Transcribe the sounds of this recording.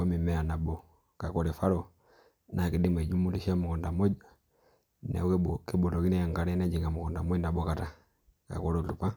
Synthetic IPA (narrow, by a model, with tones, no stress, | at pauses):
ko˦mi˨me˦a˨na˨bo˨ | ka˨ko˦ɾe˨fa˦ɾo˨ | nʔa˨ki˨di˦me˨d͡ʒu˦mu˦li˨ʃa˦mu˨ko˨nda˨mo˦d͡ʒ | nḛ˨˦ke˦bo˨lo˨ɡi˦ne˦ja˨ŋka˨˦ɾe˦na˦d͡ʒi˨ŋa˨mu˨ko˨nda˨mo˦na˨bo˦ka˨ta˨ | ka̰˨ko˦ɾo˨lu˨pa˦